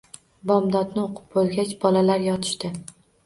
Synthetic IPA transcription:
bɒmd̪ɒd̪nɪoqʰɨ̥p̚bolˠɡʲat͡ʃbɒlalaɾjɒt̪ʰɪ̥ʃt̪ɪ

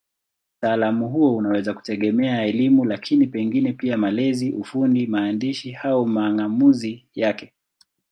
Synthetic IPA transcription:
taːlamuɦuɔunawɛzaku̥tɛɠɛmɛaɛlimulakʰinipɛŋɡinɛpiamalɛziʔufundimaːndiʃihaumaːŋamuzijakɛ

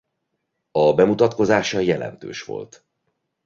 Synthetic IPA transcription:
ɒbɛmut̪ɒt̪ko̞zaːʃɒjɛlɛ̰nt̪ø̰ːʃʋo̞̰lt̪

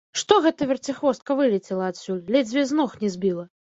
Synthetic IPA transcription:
ʂt̪ɔɣɛt̪ɐvʲɛrt͡sʲixvɔst̪̚kɐvɨlʲɛt͡sʲɛlˠɐːt̪sʲulʲlʲɛd͡zʲvʲɛznɔxnʲɛzʲbʲilˠɐ

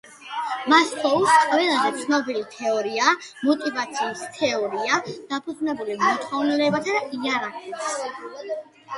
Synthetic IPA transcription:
masχɔusqʼvɛlˠazɛt̪sʰnɔbilit̪ʰɛɔɾiamɔt̪ʼivat̪sʰiːst̪ʰɛɔɾiad̪̥apʰud̪znɛbulimɔt̪ʰχɔvnilɛbat̪ʰad̪aiaɾakʰɛt̪s

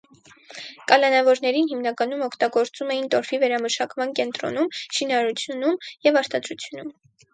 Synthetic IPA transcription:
kɑlɑnɑvɔɾnɛɾinɦimnɑkɑnumɔkʰt̪ɑɡɔɾt͡sumɛjint̪ɔɾvivɛɾɑməʃɑkmɑnkɛnt̪ɾɔ̰numʃinɑɾut͡sʰjunumjɛvɑɾt̪ɑd̪ɾut͡sʰjunum

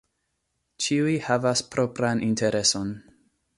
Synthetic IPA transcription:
t͡ʃiujhavaspɾo̞pɾanʔinteɾe̞so̞n

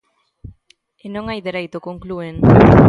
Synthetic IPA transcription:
enõŋajðeɾejt̪okoŋklueŋ

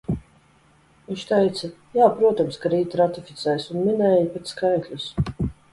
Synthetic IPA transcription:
viʃt̪ɛjt̪sajaːpɾuɔt̪ɔmskaɾiːt̪ɾat̪ifʲit̪sɛːjsunminɛːjipɛt̪skajklʲus

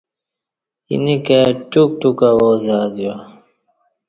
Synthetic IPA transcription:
ḭnikeʈuk̚ʈukawoːzaːd̪iwa

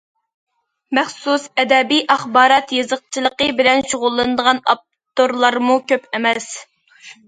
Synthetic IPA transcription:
mæχsusɛd̪ɛbijʔɑχbɑːɾɑt̪jɨzəq̚t͡ʃʰilˠəqəbɪlɛnʃoʁʊlˠːɨnd̪əʁɑnɑ̰p̚ | t̪oɾlˠɑɾmukʲøpɛmɛs

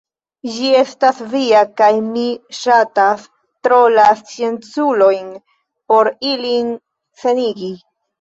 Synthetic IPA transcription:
d͡ʒie̞stasviakajmiʃatas | tɾolast͡sie̞nt͡sulo̞jn | po̞ɾilin | se̞niɡi

